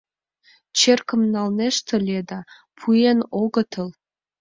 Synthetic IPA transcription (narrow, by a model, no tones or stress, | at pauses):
t͡ɕerkə̆mnɑlneʃt̪ʰə̆lʲed̪ɑ | pʰujenoɣə̆t̪ʰə̆l